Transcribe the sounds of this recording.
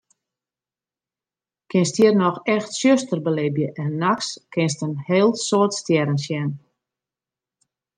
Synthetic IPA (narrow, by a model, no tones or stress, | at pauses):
kʰɪnstjiərnɔxɛxtsjøstərbəlɪbjəʔɛnːakskɪns̬tənheːlˠsoətstjɛɾənsjɛn